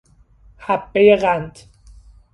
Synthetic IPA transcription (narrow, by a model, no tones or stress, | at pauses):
hæbːejeɣænd̪